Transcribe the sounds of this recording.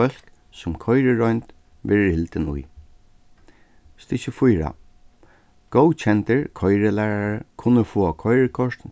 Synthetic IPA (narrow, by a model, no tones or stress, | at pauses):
œl̥k | sʊmkʰɔjɾəɹɔjnt̪ | ʋɛɾɪhɪlt̪ɪnṵj | st̪ɪʃəfʊjɾa̰ | ɡ̥owt͡ʃʰɛnt̪əɹkʰɔjɾɪlæːɹaɹkʰʊnːəfoːakʰɔjɾəkʰɔʂt̪n